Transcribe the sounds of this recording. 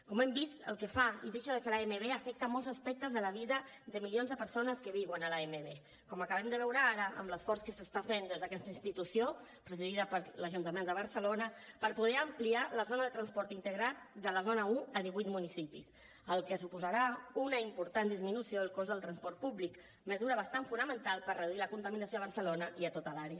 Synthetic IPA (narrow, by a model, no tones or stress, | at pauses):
kɔmɛmbist̪ə̰lˠkəfaiðeʃəðəkəlaemeβeəfɛk̚t̪əmɔlˠzəspɛk̚t̪əzðələβ̞iðə | d̪əmiljonzðəpəɾsonəskəβiɣənəlaemeβe | kɔməkəβ̞ɛmd̪əβɛwɾəaɾəʔə̰mləsfɔɾskəsəst̪afend̪ezðəkɛst̪əinst̪it̪usio | pɾəziðiðəpəɾləʒunt̪əmend̪əβəɾsəlonəpəɾpuðɛəmplialəzonəðət̪ɾənspɔɾt̪int̪əɣɾat̪̚d̪ələzonəuəðiβuijt̪munisipis | əlˠkəsupuzəɾaunəimpuɾt̪and̪izminusioəlˠkozðəlˠt̪ɾənspɔɾt̪̚puβlik | məzuɾəβ̞əst̪aɱfunəmənt̪alˠpəɾrəðuiləkunt̪əminəsioəβəɾsəlonəiət̪ot̪əlaɾeə